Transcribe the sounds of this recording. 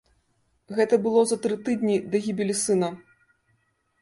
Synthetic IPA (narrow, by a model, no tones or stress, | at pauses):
ɣɛt̪ɐbɨlˠɔzɐt̪ɾɨt̪ɨd̪nʲid̪ɐɣʲibʲelʲisɨnɐ